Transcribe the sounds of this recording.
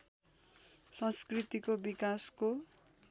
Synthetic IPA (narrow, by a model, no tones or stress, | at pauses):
sʌ̃nskrit̪ikobikasko